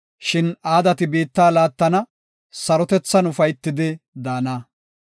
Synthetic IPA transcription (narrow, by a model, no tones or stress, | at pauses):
ʃɪnaːd̪ɐt̪ɪbiːt̪ːaːlaːt̪ːɐnɐ | sɐɾɔt̪ɛt͡sːɐnʊfɐjt̪ːɪd̪ɪd̪aːnaː